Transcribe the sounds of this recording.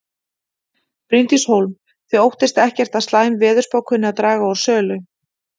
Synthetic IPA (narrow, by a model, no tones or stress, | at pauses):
pɾɪnt̪ishowlm | θʏowht̪ɪst̪ɛhcɛr̥t̪aðst̪laːjmvɛːðʏɾ̥spawkhʏnːɪaðt̪ɾaːɣaawɾ̥sœːlʏ